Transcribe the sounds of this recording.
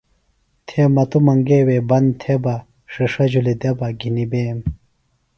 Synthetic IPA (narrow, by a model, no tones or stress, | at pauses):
t̪ʰemɐt̪umɐŋɡeːweːbɐnt̪ʰebɐ | ʂiʂɐd͡ʑulid̪ebɐɡinibeːm